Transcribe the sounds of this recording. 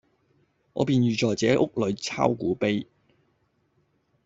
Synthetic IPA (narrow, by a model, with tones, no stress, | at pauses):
ŋɔ̰ː˨˧piː˨nɥyː˨t͡ʃɔː˨˩jt͡sɛː˨˥ʔʊ˥k̚lɵ˨˧ɥt͡sʰa̰ː˥wkuː˨˥pe˥j